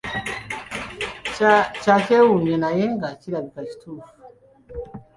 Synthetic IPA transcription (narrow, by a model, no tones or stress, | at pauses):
t͡ʃat͡ʃɛunɛnajɛŋɡat͡ʃiɾabikat͡ʃi̥tʰufu̥